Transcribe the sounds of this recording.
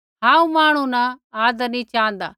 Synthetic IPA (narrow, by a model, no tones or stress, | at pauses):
ɦãːũmaːɽ̃ũnaaːd̪əɾnĩt͡ʃãːnd̪a̰ː